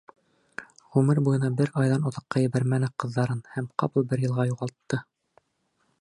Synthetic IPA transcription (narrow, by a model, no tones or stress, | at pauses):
ʁʉmɘɾbujɤ̆nɑbɘɾɑjðɑnŏðɤ̆qːɑjɘ̆βæɾmænɘqɤ̆ðːɑɾɤnhæmqɑpɤlˠbɘɾjɤ̆lˠʁɑjuʁɑlˠt̪ːɤ